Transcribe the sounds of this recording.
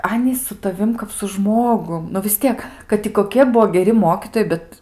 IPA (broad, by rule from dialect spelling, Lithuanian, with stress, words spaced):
ˈɑːnʲiːs sʊ tɐˈʋʲɪm kɐp sʊ ˈʒmoːɡʊm nʊ ʋʲɪs ˈtʲiɛk kɐt ɪ koːˈkʲiɛ ˈbuɔ ɡʲɛˈrʲɪ ˈmoːkʲiːtoːjɛɪ ˈbʲɛt